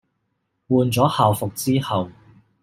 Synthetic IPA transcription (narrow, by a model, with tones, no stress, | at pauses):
wuː˨˧nt͡sɔː˨˥haː˨wfʊ˨k̚t͡siː˥hɐ˨w